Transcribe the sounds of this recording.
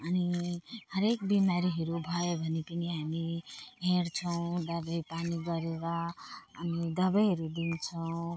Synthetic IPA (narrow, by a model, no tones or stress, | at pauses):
ʌnihʌɾekbimaɾiɦʌɾubʱʌjobʱʌnepʌniɦamiɦeɾt͡sʰʌw̃d̪ʌbʌjpaniɡʌɾeɾʌː | nid̪ʌbʌjɦʌɾud̪int͡sʰʌw̃